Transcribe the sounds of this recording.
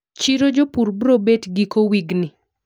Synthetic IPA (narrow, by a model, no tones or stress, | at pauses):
t͡ʃiɾod͡ʒopuɾbɾobetɡikowiɡnɪ